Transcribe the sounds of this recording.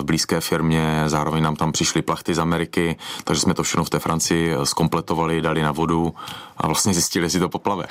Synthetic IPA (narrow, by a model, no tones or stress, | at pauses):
vbliːskɛːfɪɾmɲɛzaːɾovɛɲnaːmt̪ampr̝̥ɪʃlɪplaxt̪ɪzamɛɾɪkɪt̪aɡʒɛsmɛt̪ofʃɛxnoft̪ɛːfɾant͡sɪɪsko̞mplɛt̪ovalɪdalɪnavo̞duʔa̰vlast̪ɲɛzɪscɪlɪɛsɪt̪opoplavɛ̰x